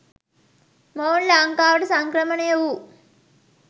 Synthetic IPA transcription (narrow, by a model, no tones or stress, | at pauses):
moːnlaːŋkaːʋɐʈusɐŋkɾɐmɐnejwu